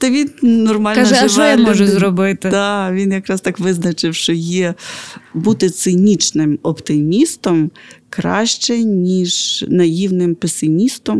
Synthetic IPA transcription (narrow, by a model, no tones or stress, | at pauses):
t̪ɐʋʲinnɔrmɑlʲknɐɛʒɛjmɔʒɛzɾɔbɪt̪ɪd̪ɑʋʲinjɐkɾɑst̪ɑkʋɪznɐt͡ʃɪwʃt͡ʃɔjɛ | but̪ɪt̪sɪnʲit͡ʃnɪmɔpt̪ɪmʲist̪ɔmkɾɑ̰ʃt͡ʃɛnʲiʒnɐjiwnɪmpesɪmʲist̪ɔm